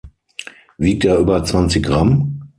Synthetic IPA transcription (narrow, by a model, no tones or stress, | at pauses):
viːk̚teːɐʔyːbɐt͡sv̥ant͡sɪçɡ̥ʁam